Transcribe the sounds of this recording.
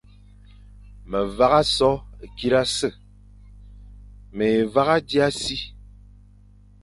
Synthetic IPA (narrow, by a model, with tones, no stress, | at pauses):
mə˨va˦ɣa˦sɔ˦e˨ki˦ɾa˦sə˦˨ | me˨e˨va˦ɣa˦di˦a˦si˦